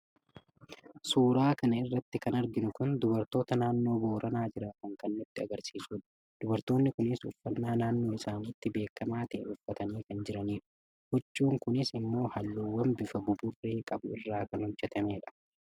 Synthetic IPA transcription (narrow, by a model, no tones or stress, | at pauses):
suːɾaːkɐnɐɪrːɐt̪ːɪkɐnɐɾɡɪnʊkʊnd̪ʊbɐɾt̪o̞ːt̪ɐnaːnːo̞ːbo̞ːɾʔɐnaːd͡ʒɪɾak̪ɐŋkɐnːʊt̪ːɪɐɡɐɾsiːsuːᶑɐ̥ | d̪̥ʊbɐɾt̪o̞ːnːɪkʊnɪsʊfːɐnːaːnaːnːo̞ːɪsaːnɪt̪ːɪbe̞ːkːɐmaːt̪ɛɛnʊfːɐt̪ɐniːkɐnd͡ʒɪɾɐniːᶑɐ̥ | hɔt͡ʃʼːuːŋkʊnɪsɪmːo̞ːhɐlːuːwːɐmbɪfɐɡʊbʊrːe̞ːkʼɐbʊ̰ɪrːaːkɐnhɔd͡ʒɛt̪ɐmeːᶑɐ̥